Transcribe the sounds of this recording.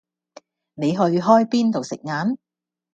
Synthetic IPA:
ne˨˧jɦɵ˧ɥɦɔː˥jpiː˥nt̪o˨wsɪ̰˨k̚ŋaː˨˥n

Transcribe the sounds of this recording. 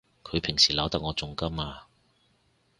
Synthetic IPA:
kʰɵ˨˧ɥpʰɪ˨˩ŋsiː˨˩lɐ˨˧wt̪ɐ˨k̚ŋɔː˨˧t͡sʊ˨ŋkɐ˥maː˧

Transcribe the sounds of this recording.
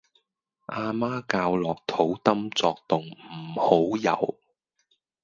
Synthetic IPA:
ʔaː˧maː˥kaː˧wlɔː˨˩k̚t̪ʰo˨˥wt̪ɐ˥mt͡sɔː˧k̚t̪ʊ˨ŋm̩˨˩ho˨˥wjɐ̰˨˩w

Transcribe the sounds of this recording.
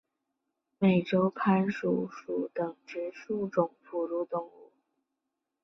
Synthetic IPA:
me˨˩ɪʈ͡ʂo˥ʊpʰa˧˥nʂu˨˥˩ʂu˨˩t̪ɤ˨˩ŋʈ͡ʂɻ̩˧˥ʂu˥˧ʈ͡ʂʊ˨˩ŋpʰu˨˩ɻu˥˧t̪ʊ˥˧ŋu˥˩

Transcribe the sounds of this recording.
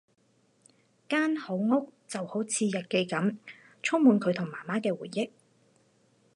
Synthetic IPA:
kaː˥nho˨˥wŋʊ˥k̚t͡sɐ˨who˨˥wt͡sʰiː˨˧jɐ˨t̚ke˧jkɐ˨˥m | t͡ʃʰʊ˥ŋ̚muː˨˧nkʰɵ˨˧ɥt̪ʰʊ˨˩ŋmaː˨˩maː˥kɛː˧wuː˨˩jːɪ˥k̚

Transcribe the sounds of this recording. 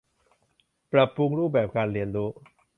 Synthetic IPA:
pɾa˨˩pːu˧ŋɾuː˥˩p̚bɛː˨˩p̚kaː˧nɾi˧ənɾuː˦˥

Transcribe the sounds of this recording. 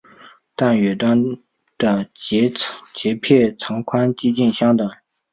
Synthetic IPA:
t̪ɑ˥˨ŋjø˩˨t̪a˥ŋ | t̪ə˩˨t͡ɕːt͡ɕeː˩˨pʰe˥˨ʔt͡sʰɑ˥˨ŋkʰa˥ŋt͡ɕi˥t͡ɕi˥nɕɑ˥ŋt̪ɑ˨ŋ

